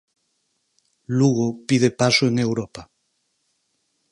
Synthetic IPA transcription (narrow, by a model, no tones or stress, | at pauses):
luɣopið̞epasoeŋewɾopa